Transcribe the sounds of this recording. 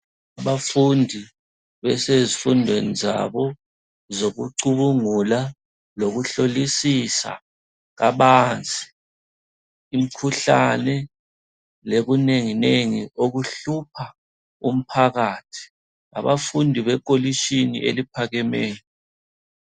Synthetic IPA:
aβafundʱi | βɛsezifundʱweniza̰βɔ | zoɣuǀuβuŋula | loɣuɬolisisa̰ | ɣa̰βand͡zʱi̥ | m̩kʰuɬanɛ | leɣuneŋineŋioɣuɬup̚ʰa | um̩pʰaɣaːtʰi̥ | a̰βafundʱiβɛk̬ʼoliʃinḭʔḛlipʰaɣɛmɛːjɔ

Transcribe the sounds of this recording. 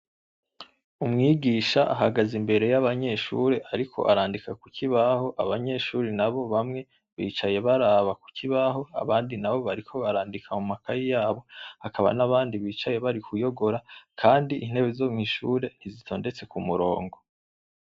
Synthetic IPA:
umŋiːɡiːʃaʔaɦaɡazimbe̞ɾe̞jaβaɲe̞ːʃṵɾe̞ʔaɾikʰo̞̰ʔa̰ɾaːndikakucʰiβaho̞ʔa̰βaɲe̞ʃuːɾinaβo̞βamŋe̞ | βiːt͡ʃaje̞βaɾaːβaku̥ciβaɦo̞a̰βaːndinaβo̞βaɾikʰo̞βaɾaːndikʰamumakajijaːβo̞hakaβa̰naβaːndiβiːt͡ʃaje̞βaɾikujo̞ɡo̞ɾakʰaːndiʔin̥he̞βezoːmŋiʃuɾe̞n̥izitʰo̞ːnde̞t͡se̞kumuɾo̞̰ːŋɡo̞

